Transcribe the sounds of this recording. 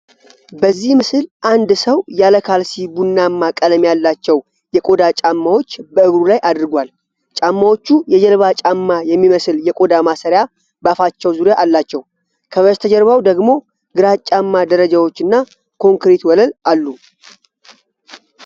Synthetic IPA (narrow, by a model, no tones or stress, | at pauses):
bəzːihmɨsɨlʔand̪səwjaləkʰalsibunːamːakʼələmjalːat͡ʃːɛw | jɛkʼo̞d̪at͡ʃʼamːawo̞t͡ʃːbəɨɡɾulajʔad̪ɾɨɡʷal | t͡ʃʼamːawo̞t͡ʃːujɛd͡ʒɛlβat͡ʃʼamːajɛmːiməsɨljɛkʼo̞d̪amasəɾja | bəafat͡ʃːɛwzuɾjaʔalːat͡ʃːɛw | kʰəβəst̪ʰəd͡ʒɛɾβawd̪əɡmo̞ | ɡɨɾat͡ʃʼamːad̪əɾəd͡ʒawo̞t͡ʃːɨnːa | kʰo̞ŋkɾet̪wɔləlalːu